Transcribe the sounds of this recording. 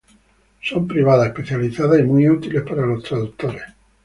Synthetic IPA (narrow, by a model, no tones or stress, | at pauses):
sompɾiβ̞aðaespeθjaliθaðaimuiut̪ile̞spaɾalo̞st̪ɾaðuk̚t̪oɾes